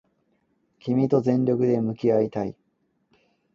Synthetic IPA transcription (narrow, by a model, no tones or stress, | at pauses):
kʲimʲit̪o̞zẽ̞ɲɾʲokɯ̟d̪e̞mɯ̟kʲiait̪ai